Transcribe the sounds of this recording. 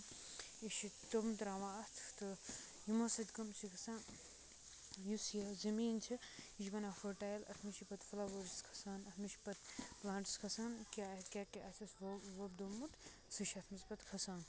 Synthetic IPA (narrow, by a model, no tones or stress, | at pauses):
iʃit̪omt̪ɾãːʋaːɐt̪ʰt̪ɨ | jimɐsɐt̪ʲkɐmt͡ʃʰikʰɐsãːn | jusjɐzɐmiːnt͡ʃʰiiʃɡɐnaːfoʈaːjlɐ̰t̪ʰmiʃipɐt̪fɐlaʋoɾiskʰɐ̥saːnɐt̪ʰmiʃi̥pɐt̪̚plaːɳʈiskʰɐsaːnkʲaːt̪kʲaːkeʔasʲʰɐsʋɐb̚d̪omut̪ | sɨʃɐt̪ʰmɐspɐt̪kʰɐsaːn